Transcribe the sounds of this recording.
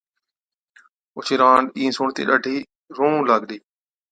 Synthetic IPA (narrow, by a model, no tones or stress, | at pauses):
ʊt͡ʃʰiːɾãːɳɖĩːsoːɳt̪ḛːɗəːɖʱiː | ɾõːlaːɡɗeː